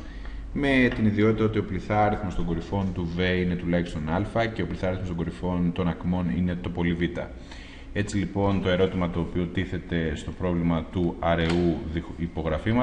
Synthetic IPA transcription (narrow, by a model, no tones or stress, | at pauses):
me̞t̪iniðio̞t̪it̪ɐo̞t̪io̞pliθɐɾiθmost̪o̞ŋɡo̞ɾifo̞nt̪uve̞ine̞t̪ulɐçist̪o̞nɐlfɐce̞opliθɐɾiθmst̪oɡo̞ɾifo̞nt̪o̞nɐkmo̞nḭne̞t̪o̞po̞livit̪ɐ̰ | e̞t͡silipo̞nt̪o̞e̞ɾo̞t̪imɐt̪o̞ːpio̞t̪iθe̞t̪e̞st̪o̞pɾo̞vlimɐt̪uɐɾe̞uðiipo̞ɣɾɐfimɐ